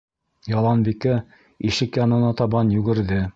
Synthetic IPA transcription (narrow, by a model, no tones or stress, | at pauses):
jɑlˠɑnbikæ | iʃɘkjɑnɤ̆nɑt̪ɑβɑnjʉɡɘ̆ɾðɘ